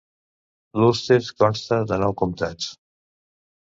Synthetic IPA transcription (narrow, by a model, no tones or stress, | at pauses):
lust̪eɾskɔnst̪əðənɔwkumt̪at͡s